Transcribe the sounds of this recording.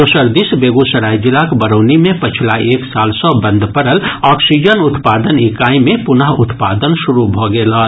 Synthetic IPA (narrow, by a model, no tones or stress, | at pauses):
osəɾd̪isbeːɡusəɾaːid͡ʒɪlakbəɾoːnimẽpət͡ʃʰlaeːksaːlsɔ̃bə̃nd̪ʱpəɾəlɔːksid͡ʒənʊt̪paːd̪ənɪkaːimẽpʊnəɦʊt̪paːd̪ənʃʊɾubʱoːɡeːlɔː